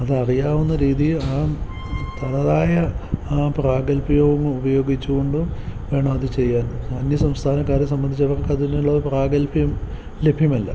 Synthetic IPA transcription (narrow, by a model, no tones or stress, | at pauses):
ɐðɨɐrijaːʋunːɐɾiːðiaː | t̪ɐnɐðaːjɐpraːɡɐlpijoːɡɐŋːɐubɐjo̞ːɡit͡ɕːukɣo̞ɳɖuʋe̞ːɳɐmɐðɨt͡ɕe̞jːaːnɐnjɐsɐmst̪ʰaːnɐkːaːɾes̬ɐmbɐnd̪it͡ɕːɐʋɐrkɐðuneuɭːɐpraːɡɐlbjɐm | le̞bʱjɐmɐlːɐ̰